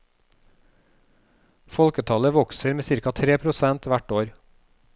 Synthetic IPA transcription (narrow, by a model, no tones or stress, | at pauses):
fɔlkət̪ʰɑləʋɔksəɾmeːsɪɾkɑt̪ʰɾeːpʰɾʊsɛnt̪ʋæʈoːɾ